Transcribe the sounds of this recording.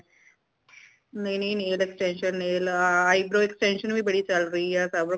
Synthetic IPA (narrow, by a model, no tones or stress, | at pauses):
ninineːleksʈenʂɐnneːlɐjbɾoːeksʈenʂɐnmibɐɽit͡ɕɐlrijasɐbɾɐ